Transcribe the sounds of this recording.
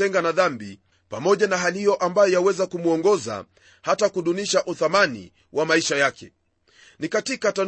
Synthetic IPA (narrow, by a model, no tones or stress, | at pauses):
ɛŋɡanaðambi | pamɔʄanaɦalihijɔʔambajɔjawɛzakumuɔŋɡɔza̰ | hatakuɗuniʃaʔuθamanḭ | wʔamaiʃajakɛ | nikatikatan